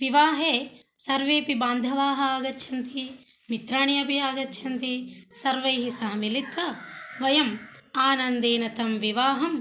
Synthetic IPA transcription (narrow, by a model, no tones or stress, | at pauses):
ʋiʋaːɦeː | sɐɾʋeːpibaːnd̪ʱɐʋaːɦɐaːɡɐt͡ʃːʃʰɐnt̪i | mit̪ɾaːɳijɐpiaːɡɐt͡ʃːʃʰɐnt̪isɐɾʋɐjɦisɐɦɐmilit̪ʋɐʋɐjɐmaːnɐnd̪eːnɐt̪ɐmʋiʋaːɦɐm